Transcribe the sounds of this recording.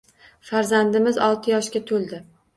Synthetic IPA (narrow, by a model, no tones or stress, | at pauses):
faɾzand̪ɪmɪzɒlˠt̪ʰɪjɒʃkʲat̪ʰolˠd̪ɪ